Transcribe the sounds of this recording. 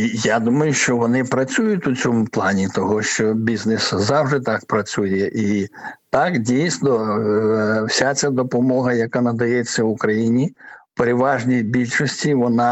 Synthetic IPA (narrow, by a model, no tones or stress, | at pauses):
ijad̪umɐjʊʃt͡ʃɔʋɔnɪpɾɐt͡sʲujʊtʲʊt͡sʲɔmʊplˠɑnʲit̪ɔɦɔʃt͡ʃɔbʲizneszɑwʒd̪ɪt̪ɑk̚pɾɐt͡sʲujɛʔit̪ɑkdʲijsʲnɔ | wsʲat͡sʲad̪ɔpɔmɔɦɐjɐkanɐd̪ɐjɛt͡sʲːɐwʊkɾɐjinʲipeɾeʋɑʒnʲijbʲilʲʃɔsʲtʲiʋɔnɑ